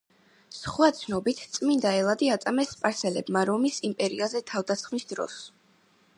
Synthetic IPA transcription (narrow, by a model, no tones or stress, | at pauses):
sχwat̪sʰnɔbit̪ʰt̪sʼmind̪aɛlˠad̪iat̪sʼamɛspʼaɾsɛlɛbmaɾɔmisimpʼɛɾiazɛt̪ʰavd̪asχmisd̪ɾɔ̰s